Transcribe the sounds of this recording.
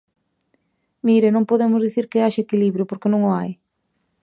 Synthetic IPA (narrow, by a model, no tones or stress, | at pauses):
miɾɪnõŋpoðemʊzðiθiɾkɪaʃekiliβɾjʊpoɾkenõŋʊaj